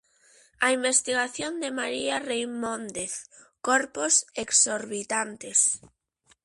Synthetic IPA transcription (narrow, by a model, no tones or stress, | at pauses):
aimbest̪iɣaθjond̪emaɾiarejmõnd̪eθ | koɾposeksoɾβit̪ant̪es